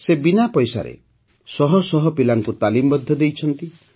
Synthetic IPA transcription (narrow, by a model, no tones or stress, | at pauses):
sebinapɔjsa̰ɾḛ | sɔɦɔsɔɦɔpilaŋkut̪alimbɔd̪ʱjɔd̪ejt͡ʃʰɔnt̪i